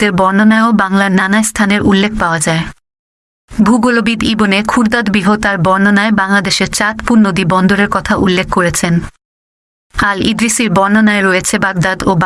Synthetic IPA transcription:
eɾbɔɾnonaeobaŋlaɾnanaest̪ʰaneɾʔulːekʰpaoad͡ʑae | bʱuɡolobid̪ibonekʰuɾd̪ad̪biɦot̪aɾbɔɾnonaebaŋlad̪eʃeɾt͡ɕat̪puɾnod̪ibɔnd̪oɾeɾkɔt̪ʰaʔulːekʰkoɾet͡ɕʰen | alḭd̪ɾisiɾbɔɾnonaeɾojet͡ɕʰebaɡ̚d̪ad̪ob

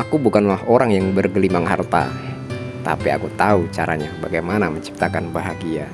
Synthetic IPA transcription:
akubukanlahoɾaŋjaŋbərɡəlimaŋɦart̪a̰ | t̪a̰pia̰kut̪aut͡ʃaɾa̰ɲabaɡajmanaməɲt͡ʃi̥p̚t̪akanbaɦaɡia

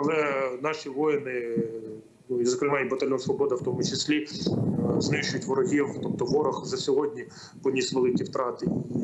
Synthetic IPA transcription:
ɐlˠɛnɑʃʲiʋɔjɪnɪ | zɐkɾɪmɑjibɐt̪ɐlʲjɔnsʋɔbɔd̪ɐwt̪ɔmʊt͡ʃɪsʲlʲi | znɪʃt͡ʃʊjʊtʲʋɔɾɔɦʲiwt̪ɔp̚t̪ɔʋɔɾɐxzɐsʲɔɦɔdʲnʲi | pɔnʲisʲʋelˠɪkʲiwt̪ɾɑt̪ɪi

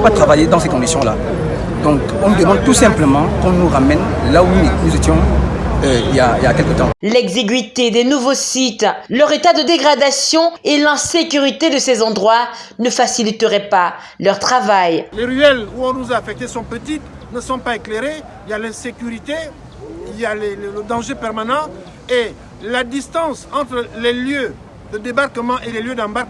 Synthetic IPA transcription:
pat̪χavajed̪ɑ̃sekɔ̃d̪isjɔ̃la̰ | d̪ɔ̃k | ɔ̃nud̪əmɑ̃d̪̚t̪usɛ̃pləmɑ̃kɔ̃nuʁamɛnlaunuzet̪jɔ̃øijailjakɛlkət̪ɑ̃lɛɡzeɡɥit̪ed̪ɛnuvosit̪lœʁet̪ad̪əd̪eɡʁad̪asjɔ̃elɛ̃sekʲyʁit̪ed̪əsezɑ̃d̪ʁwanəfasilit̪əʁɛpa | lœʁt̪χavajleʁyɛluɔ̃nuzaːfɛk̚t̪esɔ̃pət̪it̪ | nəsɔ̃paekleʁe | iljalɛ̃sekʲyʁit̪e | iljalɛlələd̪ɑ̃ʒepɛʁmanɑ̃ | e | lad̪ist̪ɑ̃sɑ̃t̪ʁəleljø | d̪əd̪ebaʁkəmɑ̃ʔeleljød̪ɑ̃baʁk

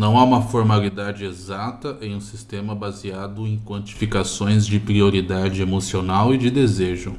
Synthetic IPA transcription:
nɐ̃w̃aũmɐfoɾmalid̪ad͡ʒɪezat̪ɐʔẽj̃ũsist̪ẽmɐbaziad̪ʊẽj̃kwɐ̃nt͡ʃi̥fikasõj̃zd͡ʒɪpɾioɾid̪ad͡ʒɪemosionawɪd͡ʒɪd̪ezeʒʊ

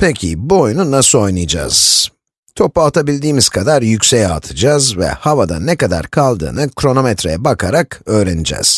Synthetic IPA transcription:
pʰecʰibojununaso̞jnɯjad͡ʒa̰ːz̥ | t̪ʰo̞pːaat̪ʰabilʲd̪iːmiz̥kʰad̪aɾjycʲsejat̪ʰɯd͡ʒazvɛ̰havad̪a̰nɛkad̪a̰ɾkʰalˠd̪ɯ̰ːnɯkɾo̞no̞mɛt̪ɾejɛbakʰaɾakø̞ːɾenid͡ʒɛ̰z̥

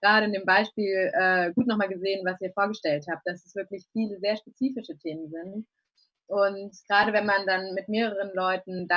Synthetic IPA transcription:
ɡ̥ʁaːɾəɪndeːmbaɪʃpiːlʔɛːɡuːtnɔχmaːlɡəzeːənvasiːɐfoːɐɡəʃtɛlthaːp̚t̚d̥asɛsv̥ɪɐklɪçfiːləzeːɐʃpet͡siːfɪʃətʰeːmənzɪnt | ʔʊntɡ̥ʁaːɾəvɛnmandanmɪtmeːʁəʁ̞ənlɔʏtn̩da

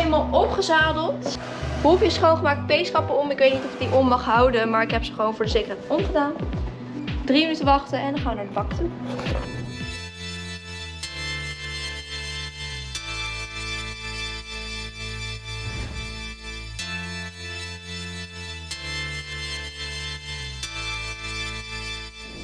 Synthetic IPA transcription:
malˠɔpχəzaːdəlˠt | bufɪsχəʋownχəmaːk̚t̚pejsχɑpəɔmɪkʋejtnitɔfɪɡ̚diʔɔmːɑχɦɑwdəmaːɹɪkɦɛpsəχəʋownvʊːdəzejkəɹɦɛjtɔmχədaːn | drimənytəʋɑχtənɛndɑχaːʋənaːɹdəbɑktu

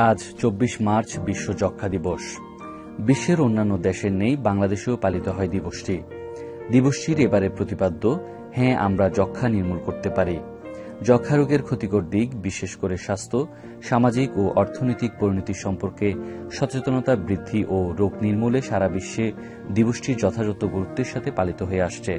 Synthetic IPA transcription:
ad͡ʑt͡ɕobːiʃmaɾt͡ɕʰbiʃːod͡ʑɔkʰːad̪iboʃ | biʃːeɾonːanːod̪ɛʃeɾnejbaŋlad̪eʃeopalit̪oɦɔed̪iboʃʈi | d̪iboʃʈiɾebaɾepɾot̪ipad̪ːo | hɛ̃a̰mɾad͡ʑɔkʰːaniɾmulkoɾt̪epaɾi | d͡ʑɔkʰːaɾoɡeɾkʰot̪ikoɾd̪iɡbiʃeʃkoɾeʃast̪ʰo | ʃamad͡ʑikoʔɔɾt̪ʰonojt̪ik̚poɾnot̪iʃɔmpoɾkeʃɔt͡ɕet̪onot̪abɾid̪ʱːiʔoɾoɡniɾmuleʃaɾabiʃːe | d̪iboʃʈiɾd͡ʑɔt̪ʰad͡ʑɔt̪oɡoɾut̪ːeɾʃat̪ʰepalit̪oɦoeaʃt͡ɕʰe

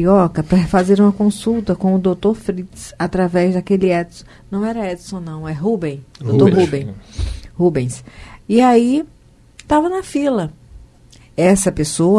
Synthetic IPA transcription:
iɔkɐpɾɐfazeɾũmɐkõsuwt̪ɐkõʊd̪owt̪oɾfɾit̪sat̪ɾavɛzd̪akelɪɛd̪sʊ̥ | nɐ̃w̃ɛɾɐɛd̪isõnɐ̃w̃ɛɦubẽj̃d̪owt̪oɾɦubẽ | hubẽj̃siai | t̪avɐnɐfilɐ | ɛsɐpesoɐ

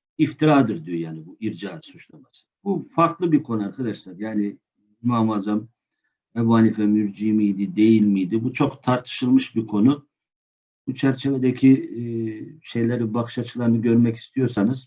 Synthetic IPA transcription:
ift̪ʰiɾaːd̪ɯɾd̪ijo̞jaːnibuiɾd͡ʒaːsut͡ʃlˠamasɯ̥bufaɾk̪lˠɯbiɾkʰo̞nuaɾkʰad̪aʃlˠaɾjaːni | nuamazam | ɛbuhanifɛmyɾd͡ʒiːmijd̪id̪e̞jilʲmijd̪ibut͡ʃʰo̞kt̪ʰaɾt̪ʰɯ̥ʃɯlˠmɯʃbikʰo̞nu | but͡ʃʰæɾt͡ʃʰe̞ved̪ecʰi | ʃe̞jlʲeɾibaxɯ̥ʃat͡ʃʰɯ̥lˠaɾnɯɟø̞ɾmɛci̥st̪ʰijo̞ɾsanɯz̥

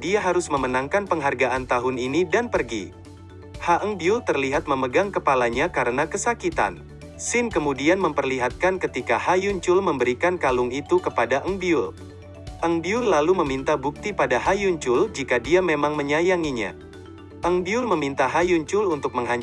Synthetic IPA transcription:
diaɦaɾʊsməmənaŋkanpəŋɦarɡaʔant̪aɦʊninidanpərɡḭ | haʔəŋbiʊlt̪ərliɦat̪̚məməɡaŋkəpalaɲakaɾənakəsakit̪a̰n | sɪnkəmudianməmpərliɦat̪̚kankət̪ikahajuɲt͡ʃʊlməmbəɾikankalʊŋit̪ukəpadaʔəŋbiʊl | ʔəŋbiʊlːaluməmint̪abuk̚t̪ipadaɦajuɲt͡ʃʊld͡ʒikadiamemaŋməɲajaŋiɲa̰ | ʔəŋbiʊlməmint̪aɦajuɲt͡ʃʊlunt̪ʊk̚məŋɦaɲ

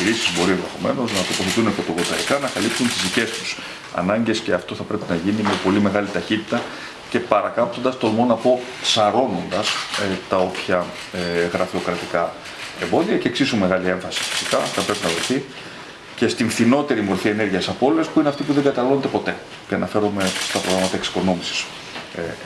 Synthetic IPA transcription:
iɾisizbo̞ɾienðe̞xo̞̰me̞̰no̞znɐt̪o̞po̞θe̞t̪unepo̞t̪ovɾot̪ɐɾikɐnɐkɐlipsunt̪izðice̞st̪u̥s | ɐ̰nɐɲɟe̞sce̞ɐft̪o̞θɐpɾe̞pinɐʝinimepo̞lime̞ɣɐlit̪ɐçit̪i̥t̪ɐ | ce̞pɐɾɐkɐpt̪o̞nd̪ɐst̪o̞lmo̞nɐpo̞ | sɐɾo̞no̞nd̪ɐset̪ɐo̞pçɐ | ɣɾɐfio̞kɾɐt̪ikɐ | e̞mbo̞ðiɐce̞ːksisume̞ɣɐlie̞ɱfɐsi̥fi̥si̥kɐθɐpɾe̞pinɐvɾoθi | ce̞st̪iɱfθino̞t̪e̞ɾimoɾθie̞ne̞ɾʝiɐsɐpo̞leespuineɐft̪ipuðe̞ŋɡɐt̪ɐlo̞nd̪e̞po̞t̪e̞ | ceɐnɐfe̞ɾome̞st̪ɐpɾo̞ɣɾamɐt̪ɐeksi̥ko̞no̞misi̥s | e

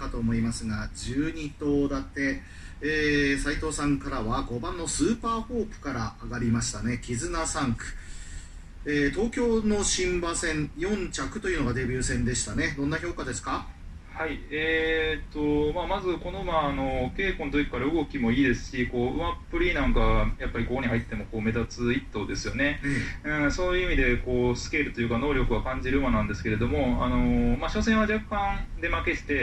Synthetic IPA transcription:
kat̪o̞ːmo̞imasɨɡad͡ʑɨːɲ̟it̪o̞ːd̪at̪ːe̞ː | sait̪o̞ːsãŋkaɾaβaɡo̞bãnːo̞sɨːpaːɸo̞ːpɯ̟̥kaɾaːɡaɾʲimaɕi̥t̪ane̞kʲizɨnasãŋkɯ̟̥ | eːt̪o̞ːkʲo̞ːno̞ɕĩmbasẽ̞ŋjõ̞ɲ̟t͡ɕakɯ̟t̪o̞jɯ̟no̞ɡad̪e̞bʲɨːsẽ̞nd̪e̞ɕi̥t̪ane̞d̪onːaço̞ːkad̪e̞sɨ̥ka | haiet̪o̞maːmazɨko̞no̞maːno̞ke̞ːkond̪oikːaɾɯɯ̟ɡo̞kʲimo̞iːd̪e̞sɨ̥ɕiko̞ːɯ̟mapːɯ̟ɾʲiːnãŋkajapːaɾʲikokoɲ̟ihɦait̪ːe̞moko̞ːme̞zat͡sɨit̪ːo̞d̪e̞sɨjo̞ne̞ɯ̟̃ɴso̞ːjɯ̟imʲid̪e̞ko̞ːsɨ̥ke̞ɾɯ̟t̪o̞jɯ̟kano̞ːɾʲo̞kɯ̟βakãɲ̟d͡ʑiɾɯ̟ɯmanãnd̪e̞sɨ̥keɾe̞d̪o̞mo̞a̰no̞maɕo̞sẽ̞ɰ̃ad͡ʑakːãnd̪e̞make̞t̪e̥t̪e̞

